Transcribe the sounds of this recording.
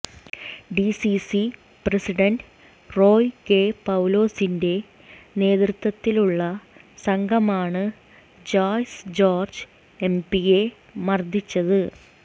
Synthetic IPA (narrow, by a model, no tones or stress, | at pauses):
ɖisisi | presiɖɐnɖ | ro̞ːjke̞pɐwlo̞ːsinde̞ | ne̞ːðrɨt̪ːwɐt̪ːiluɭːɐ | sɐŋɡʱɐmaːɳɨ | d͡ʑaːjsd͡ʑo̞ːrd͡ʑɨ | empiɣe̞ | mɐrd̪ʱit͡ɕːɐðɨ